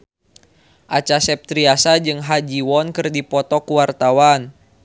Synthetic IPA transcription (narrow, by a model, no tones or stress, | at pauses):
ʔat͡ʃasɛp̚t̪ɾiasad͡ʒɨŋɦad͡ʒiwɔnkɨrdipɔt̪ɔkuwart̪awan